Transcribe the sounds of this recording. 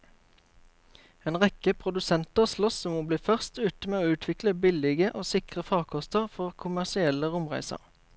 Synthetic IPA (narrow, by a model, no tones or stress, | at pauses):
eːnʁɛkəpʰʁʊd̪ʉsɛnt̪əʁslɔsɔmmoːbliːfœʁst̪ʉːt̪əmeːoːʉːt̪ʰʋɪkləbɪlɪɡəʔoːsɪkʁəfɑːʁkʰɔst̪əʁfɔʁkʰʊmæʁsɪɛləʁʊmʁæ̰ɪsə̰ʁ